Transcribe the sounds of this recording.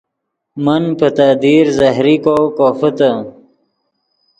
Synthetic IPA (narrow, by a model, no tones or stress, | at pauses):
mɐnpət̪aːd̪iɾzɐɦɾikokoːfət̪ə